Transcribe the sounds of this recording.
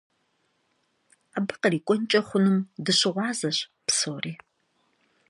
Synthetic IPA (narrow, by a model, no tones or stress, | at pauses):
aːbɨqɐriːkʷʼɔnt͡ʃʼɐχʷʊnɨmdɨɕɪʁʷɑːzɐɕpsoːriː